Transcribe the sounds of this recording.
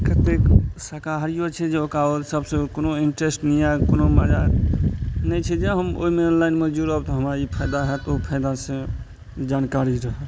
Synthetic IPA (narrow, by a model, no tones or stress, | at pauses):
kət̪eksəkaɾijot͡ʃʰɛd͡ʒeokaolsəbsẽkonoiɳʈɾesʈniakonoməd͡ʒa | nɛt͡ʃʰɛd͡ʒeɦəmo̰imenlaɪnmed͡ʒuɾəbt̪ɔɦəmaipʰəjd̪aɦɛt̪opʰəɪd̪asẽ | d͡ʒaːnkaɾiɾəɦə